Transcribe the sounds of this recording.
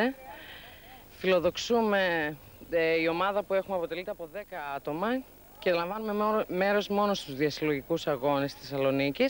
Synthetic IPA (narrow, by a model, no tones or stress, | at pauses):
e | filo̞ðo̞ksume̞ | io̞mɐðɐpue̞xumeɐpo̞t̪e̞lit̪eɐpo̞ðe̞kɐɐt̪o̞mɐ | celɐɱvɐnume̞me̞ɾo̞zmo̞no̞st̪uzðiɐsilo̞ʝikusɐɣo̞nest̪i̥sɐlo̞nicis